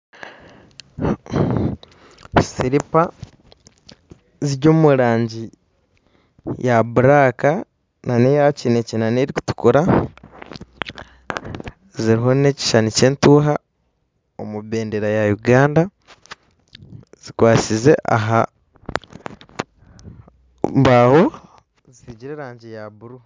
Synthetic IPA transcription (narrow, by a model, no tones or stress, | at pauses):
siɾipa | ziɾɟo̞ːmuɾaːɲɟi | jʔabuɾaka | nanejacine̞cinaneɾiku̥tu̥kuɾa | ziɾiɦo̞ne̞ci̥ʃanice̞ːntuːɦa | omuβe̞ːndeɾajajuɡaːnda | z̥ikwaːt͡size̞ʔa̰ɦa | mbaho̞ | zisiɟiɾeːɾaːɲɟijaβuɾu